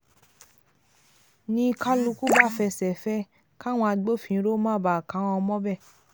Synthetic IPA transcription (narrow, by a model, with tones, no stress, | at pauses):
nĩ˧ka˦lu˧ku˦ba˦˨fɛ˧sɛ˨fɛ˦ | ka˦˨w̃ɔ̃˧a˧ɡ͡bo˦fĩ˨˧˦ɾo˦mã˦˨ba˨kã˨˦w̃ɔ̃˧mɔ̃˦bɛ˦˨